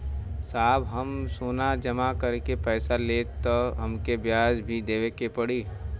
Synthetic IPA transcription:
saːbɦəmsoːnad͡ʒɐmakəɾkepɛːsaleːt̪ɔɦɐmkebjaːd͡ʒbʱid̪eːʋekepəɽiː

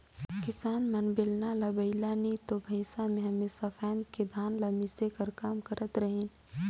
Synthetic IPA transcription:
kɪsaːnmɐnbɪlnalabɐɪlanit̪obʱɐɪsamẽɦɐmesɐfʰɛːnked̪ʱaːnlamɪsekɐɾkaːmkɐɾʔət̪ɾəɦĩn

